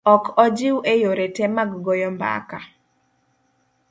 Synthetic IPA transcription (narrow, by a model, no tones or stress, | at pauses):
ɔkɔd͡ʒɪwʔejoɾetɛmaɡɡojɔmba̰ka